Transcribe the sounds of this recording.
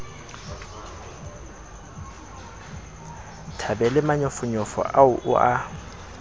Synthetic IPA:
tʰabɛlɪmaɲɔfʊɲʊfɔ̰ʔaʊʔʊ̰ʔa

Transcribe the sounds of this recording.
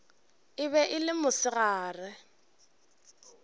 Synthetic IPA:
ɪβɛʔɪlɪmʊsɪɣaːrɪ

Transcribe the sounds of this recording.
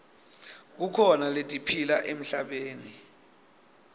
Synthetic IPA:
k̬ukʰɔnaletʼipʰilaʔem̩ɬaɓeːni

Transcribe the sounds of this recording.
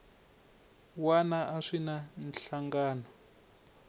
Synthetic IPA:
wanaʔaʂinanɬaŋɡaːnɔ

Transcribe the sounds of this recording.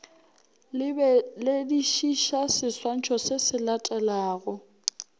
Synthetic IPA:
lediʃiʃasɪswan̩t͡ʃʰɔsesɪlatʼɛlaːɣɔ

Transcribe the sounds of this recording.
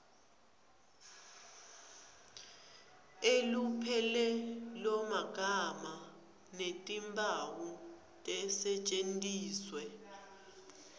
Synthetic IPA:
elupʰɛlɛlɔmaɡ̥ʱama | netʼimbʱawu | tʼɛsɛt͡ʃʼentʼiːswɛ

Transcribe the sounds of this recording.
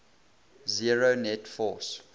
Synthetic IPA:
ziɹonɛtfɔs

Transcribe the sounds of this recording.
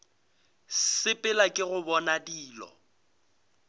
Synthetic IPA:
sɪpʼɪlakʼɪɣʊbɔnadiːlɔ̰

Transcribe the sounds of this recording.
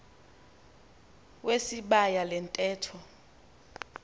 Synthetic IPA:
wesiɓajalɛntʼɛːtʰɔ

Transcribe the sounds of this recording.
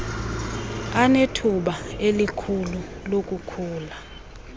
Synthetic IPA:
anetʰuɓaelikʰululok̬ʼukʰuːla

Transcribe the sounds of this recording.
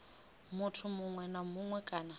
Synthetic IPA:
mutʰʊmuŋwɛnamuŋwɛkʼaːna

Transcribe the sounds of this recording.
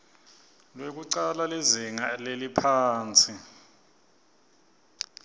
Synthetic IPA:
lwek̬uǀalaleziŋalelipʰaːnt͡sʰʼi

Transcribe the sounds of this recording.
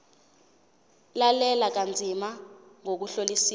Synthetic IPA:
lalɛlak̬and͡zʱimaŋok̬uɬolisiː

